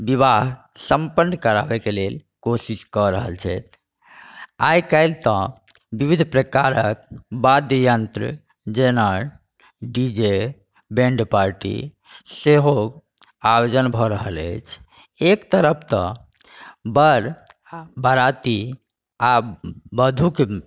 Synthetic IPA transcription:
biβaɦ | səmpənːkəɾabɛkelelkosiskɔɾəɦə̰lt͡ʃʰɛt̪̚ʰ | a̰jkəɪlt̪ə̃ | bibid̪ʱpɾəkaɾək̚bad̪jəjənt̪ɾə̰ | d͡ʒenəɾ | ɖid͡ʒe | bẽɳɖpaɾʈḭ | seɦo | ajod͡ʒənbʱɔɾəɦələ̰ɪt͡ʃʰ | ekt̪əɾəp̚ʰt̪ɔ̰̃ | bəɾ | bəɾat̪i | abəd̪ʱuke

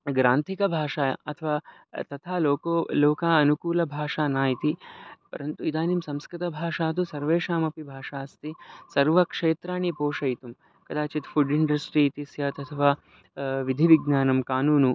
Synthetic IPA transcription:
ɡɾaːnt̪ʰikɐbʱaːʂaːɐt̪ʰɐʋaː | t̪ɐt̪ʰaːloːkoːloːkaːɐnukuːlɐbʱaːʂaːnaːjit̪ipɐ̰ɾɐnt̪uid̪aːnimsɐ̃mskɾɪt̪ɐbʱaːʂaːt̪usɐɾʋeːʂaːmɐpibʱaːʂaːɐst̪isɐɾʋɐkʂeːt̪ɾaːɳipoːʂɐjt̪um | kɐd̪aːt͡ʃit̪fuɖiɳɖɐsʈɾit̪isjaːt̪ɐt̪ʰɐʋaː | ʋid̪ʱiʋiɡnaːnɐmkaːnuːnu

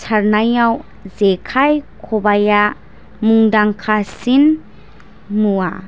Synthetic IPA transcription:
t͡ʃʰaɾnajaw | zekʰajkʰobaja | muŋdaŋkʰasin | mua

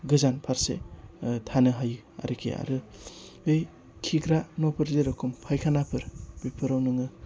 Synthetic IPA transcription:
ɡɯzanpʰaɾsḛtʰanɯɦaj | a̰ɾikʰḛa̰ɾɯ | ɯj | kʰiɡɾanopʰɯɾzeɾɯkʰumpʰajkʰanapʰɯɾbipʰɯɾawnɯŋɯ

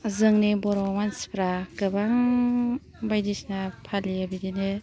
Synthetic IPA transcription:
zɯŋnebɔɾɔwansi̥pɾaɡɯbaŋ | bajdisnapʰaliabidine

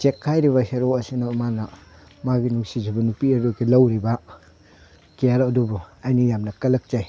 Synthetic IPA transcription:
t͡ʃekʰːajɾiβaseɾoɐsinamanɐ | maɡinuŋsizibɐnupieɾokʰilɐwɾiba | kijaɾɐdubuajnijamnɐkɐlɐk̚t͡ʃaj

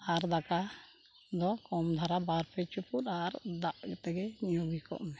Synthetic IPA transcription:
aɾd̪aka | d̪ɔkɔmd̪ʱaɾabaɾpʰɛt͡ʃupuɾaɾd̪aʔɡt̪ɛɡɛɲubikɔ̰ʔmɛ

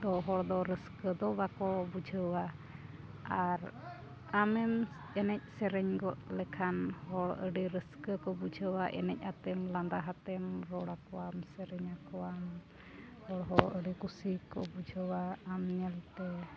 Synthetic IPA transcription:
d̪ɔɦɔɽd̪ɔɾəskəd̪ɔbakɔbud͡ʒəwa | aɾ | amɛm | ɛnɛc̚sɛɾɛɲɡɔʔlɛkʰanhɔɽəɖiɾəskəkɔbud͡ʒəwaʔɛ̰nɛc̚ˀhat̪ɛmland̪aɦat̪ɛmɾɔɽakɔwamsɛɾɛɲakɔwam | hɔɽɦɔəɖikusikːɔ̰bud͡ʒəwaamɲɛlt̪ɛ

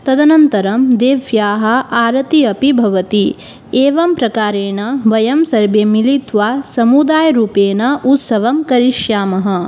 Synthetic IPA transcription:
t̪ɐd̪ɐnɐnt̪ɐɾɐmd̪eːʋjaːɦɐ̆aːɾɐt̪iɐpibʱɐʋɐt̪i | eːʋɐmpɾɐkaːɾeːnɐʋɐjɐmsɐɾbemilit̪ʋaːsɐmud̪aːjɾuːpeːnɐʔut̪sɐʋɐmkɐɾiʃjaːmɐɦɐ̆

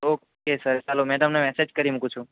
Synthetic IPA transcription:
okokesəɾt͡ʃalomeɖəmnemɛsed͡ʒkəɾimũkũt͡ʃʰũ

